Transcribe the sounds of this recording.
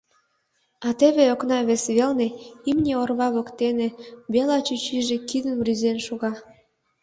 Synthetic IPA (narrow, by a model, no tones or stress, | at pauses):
ɑt̪eβeoknɑβesβelneimnʲeorβɑβokt̪eneβelɑt͡ɕyt͡ɕiʒekid̪ənβryzenʃuɣɑ